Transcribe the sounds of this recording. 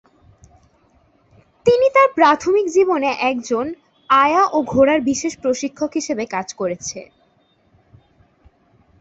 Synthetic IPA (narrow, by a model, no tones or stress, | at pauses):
t̪init̪aɾpɾat̪ʰomikd͡ʑiboneʔɛkd͡ʑon | ajaʔoɡʱoɾaɾbiʃeʃpɾoʃikʰːokɦiʃebekad͡ʑkoɾet͡ɕʰḛ